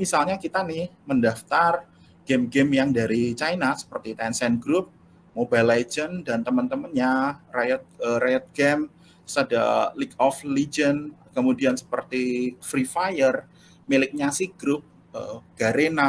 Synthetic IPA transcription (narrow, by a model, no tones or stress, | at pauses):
misalɲakit̪anɪhməndaft̪ar | ɡ̥emɡɛmjaŋdaɾit͡ʃajnasə̥pərt̪it̪ɛnsɛnɡɾʊp̚ | mobajlad͡ʒəndant̪əmənt̪əmənɲarajət̪̚əɾajət̪̚ɡ̥ɛm | sada̰likɔflid͡ʒənkəmudiansə̥pərt̪ifɾifajər | milɪk̚ɲasɪhɡ̥ɾʊp̚ | ə̰ɡ̥aɾena